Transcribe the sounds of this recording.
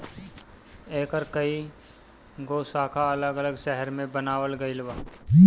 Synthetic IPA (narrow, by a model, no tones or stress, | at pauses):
eːkəɾkɐi | ɡoːsaːkʰaɐləɡələɡʃɛɦɛɾmẽbənaːwəlɡɐɪlʋaː